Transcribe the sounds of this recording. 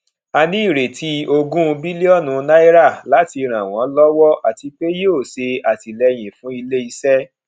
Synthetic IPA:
a˧nĩ˦i˦˨ɾe˨tʰi˦o˧ɡũ˦˧bi˦li˦ɔ˦˨nũ˧na˦i˦ɾa˦˨la˨˦ti˧ɾ̃ã˨w̃ɔ̃˨˦lɔ˦wɔ˦ʔa˨ti˧k͡pe˦jo˦˨se˧a˨ti˨lɛ˧j̃ĩ˨fũ˨˦i˧le˦i˧sɛ˦

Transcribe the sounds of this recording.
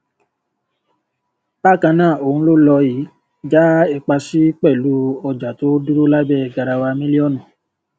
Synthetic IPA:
b̥a˦˨kã˧nãː˦˨o˨hũ˧˦lo˦lɔ˧ji˨˦ | d͡ʒa˦ɛ˧k͡pa˧si˦k͡pɛ˦˨lu˨˦ɔ˧d͡ʒa˨to˦du˦ɾo˦la˦bɛ˦˨ɡa˧ɾa˧wa˧mĩ˦li˦ɔ˦˨nũ˨

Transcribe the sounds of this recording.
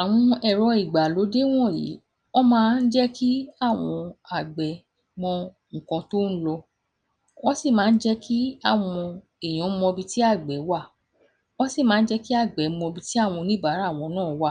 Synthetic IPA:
a˨w̃ɔ̃˧ɛ˨ɾɔ˧i˨ɡ͡ba˨lo˨˦de˦w̃ɔ̃˦˨jḭ˨˦ | ɔ˦mãː˦˧n̩˦d͡ʒɛ˦ki˦a˦˨w̃ɔ̃˧a˨ɡ͡bɛ˨ | mɔ̃˧ | ŋ̩̃˨kã˧to˦n̩˦lɔ˧ | ɔ̃˦si˦˨mãː˨˦n̩˦d͡ʒɛ˦ki˦a˦˨w̃ɔ̃˧ | e˨j̃ɔ̃˨˦mɔ̃˧bi˧ti˦a˦˨ɡ͡bɛ˨˦wa˦˨ | ɔ˦si˦˨mãː˨˦n̩˦d͡ʒɛ˦ki˦a˦˨ɡ͡bɛ˨˦mɔ̃˧bi˧ti˦a˦˨w̃ɔ̃˧nĩ˦ba˨˦ɾa˦˨w̃ɔ̃˧nãː˦˨˦wa˦˨

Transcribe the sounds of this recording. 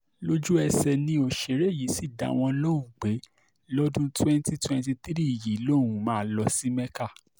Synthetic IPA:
lo˦d͡ʒu˦ɛ˧sɛ˧nĩ˧o˨ʃe˨˦ɾe˦˨ji˨˦si˦˨da̰˨˦w̃ɔ̃˧lo˦u˦˨ɡ͡be˨˦ | lɔ˦dũ˦twɛ̃˦n˦ti˦twɛ̃˦nti˧t̪i˦ɾi˦i˨ji˨˦lo˦˨wũ˨˦mãː˦lɔ˧si˦mɛ˦ka˦˨

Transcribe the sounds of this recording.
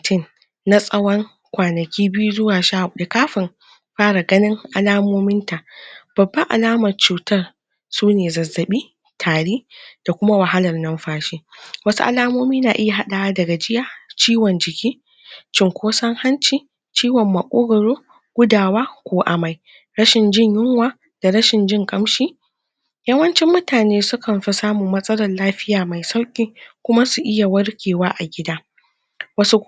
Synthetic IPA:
tɪ˦˨nː | a˦sʼɐ˦wɐ˦ŋ | kʷaː˨nɐ˨kʲiː˦bɪ˦ju˦zʊ˦waː˨ʃa˦˨da˨kaː˦ɸɪ˨m | ɸaː˦ɽa˨ɡɐ˦nɪ˦ŋʔa˨laː˦moː˦mɪ˦nta˨ʔb̥ɐ˨bːɐ˦ŋʔa̰˨laː˦mɐ˨rt͡ʃuː˨tɐ˦r | suː˦neː˨zɐ˨zːɐ˨ɓiː˦ | tʰaː˨ɽiː˦d̥a˨kʷʊ˦ma˦wɐ˨ɦa˦lɐ˨rnɐ˦mɸaː˦ʃeː˦wɐ˦su˦ʔa̰˦laː˦moː˦miː˦naː˨ʔɪ˦ja˨ɦa˦ɗa˨wa˦dɐ˨ɡa˨d͡ʒɪ˦jaː˨t͡ʃiː˦wɔ˨nd͡ʒɪ˨kʲiː˦ | t͡ʃɪ˦ŋkʷoː˦sɐ˦ŋha˦nt͡ʃiː˨ | t͡ʃiː˦wɔ˨mːɐ˨kʷʼoː˦ɡɐ˨ɽoː˦ | ɡ̥ʷʊ˦daː˨waː˦kʷoː˨ʔa˨ma˨j | ɾɐ˦ʃɪ˨nd͡ʒɪ˦ɲjɪ˦ŋwaː˨ | d̥a˨ɽɐ˦ʃɪ˨nd͡ʒɪ˦ŋkʼɐ˦mʃiː˦ | jɐ˦wɐ˦nt͡ʃɪ˦mːʊ˦taː˨neː˦sʊ˦kʰɐ˨mɸɪ˦saː˦muː˨mɐ˦sʼɐ˦lɐ˨nlaː˦ɸɪ˦jaː˨ma˨jsa˦wkʲʼiː˦kʷʊ˦ma˦su˨ʔɪ˦ja˨wɐ˦rkʲʰeː˨waː˦ʔa˨ɡʲɪ˦daː˦ | wɐ˦su˦

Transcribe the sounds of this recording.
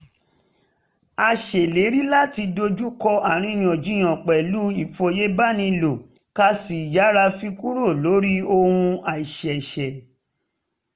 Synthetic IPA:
a˧ʃɛ˨le˨˦ɾi˦la˦˨ti˧do˧d͡ʒu˦kɔ˧a˨ɾ̃ĩ˧j̃ɔ̃˨d͡ʒĩ˦j̃ɔ̃˨k͡pɛ˨lu˦i˦˨fo˧je˦ba˦˨nĩ˧lo˨ | ka˧si˨d͡ʒa˨˦ɾa˧fi˧ku˦ɾo˦˨lo˨˦ɾi˦o˧hũ˧a˨i˨ʃɛ˨ʃɛ˨

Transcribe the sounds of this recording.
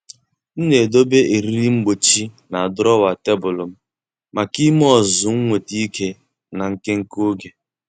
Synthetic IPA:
n̩˦ne˨do˦be˦ʔe˨ɾi˦ɾi˦ŋ͡m̩˦ɡ͡bo˨t͡ʃi˦na˨a˨dʊ˦ɾɔ˦wa˨te˦bʊ˨lʊ˨m̩˦ | ma˨ki˦m˦ɔ˦˨zʊ˨ŋ̩˦ŋʷe˨ti˦kʰe˦ | na˨ŋ̩˨ke˦ŋ̩˦ko˦ɡe˨

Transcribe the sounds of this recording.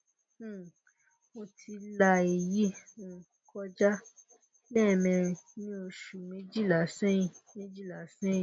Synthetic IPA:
mo˧tʰi˧la˧e˨ji˦ũ˨ | kʰɔ˦d͡ʒa˦ | bɛ˦˨mɛ̃˧nĩ˦o˧ʃu˨mĩ˨˦d͡ʒi˦˨la˨˦sɛ̃˦ĩ˧mĩ˦d͡ʒi˦˨la˨˦sɛ̃˦˨

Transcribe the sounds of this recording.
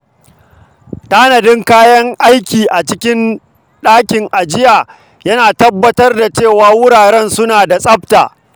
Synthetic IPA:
taː˦nɐ˨dɪ˦ŋkaː˦jɐ˦ŋʔa˦jkʲiː˨ʔa˨t͡ʃɪ˦kʲɪ˦n | ɗaː˦kʲɪ˨ŋʔa˨d͡ʒɪ˦jaː˨ | jɐ˦naː˨tɐ˦bːɐ˦tɐ˦rda˨t͡ʃeː˦˨waː˨wʊ˦ɽaː˨ɾɛ˦˨nsʊ˦naː˨da˨sʼɐ˦p̚ta̰ː˨

